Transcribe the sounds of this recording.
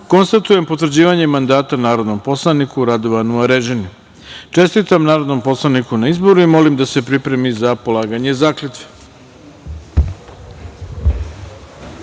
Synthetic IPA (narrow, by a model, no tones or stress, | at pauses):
ko̞nst̪at̪ujempo̞t̪ʋɾ̩d͡ʑiːʋaɲe̞mand̪aːt̪anaːɾo̞d̪no̞mpo̞slˠanikuɾad̪o̞ʋanuaɾeʒeniu | t͡ʃe̞st̪it̪amnaːɾo̞d̪no̞mpo̞slˠanikunaizbo̞ɾuimo̞limd̪ase̞pɾipɾemizapo̞lˠaːɡaɲe̞zaːklet̪ʋe̥